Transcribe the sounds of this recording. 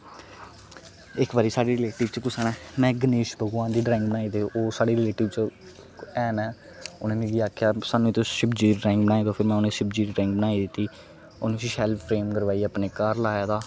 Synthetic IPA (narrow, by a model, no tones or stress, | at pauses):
ɪkbaːɾiːsaːɖiːɾɪleːʈɪʋt͡ʃkʊsaɳɛːmɛ̃ːɡəneːʃbəɡwaːnd̪iːɖɾɛːɪŋk̚bənaːiːd̪eoːsaːɖiːɾɪleːʈɪʋt͡ʃə | ɛːnɛː | o̰nẽːmĩːɡiːaːkʰjaːsaːnũːt̪oʃɪbd͡ʒiːɖɾɛ̃ːŋkbənaːiːd̪oːpʰɪɾmɛ̃ːʊnẽːʃɪbd͡ʒiːɖɾɛ̃ːŋɡ̚bənaːiːd̪ɪt̪ːiː | oːnẽsʃɛlpʰːɾeːmkəɾʋaːiːaːpneːkaːɾlaːjaːd̪aː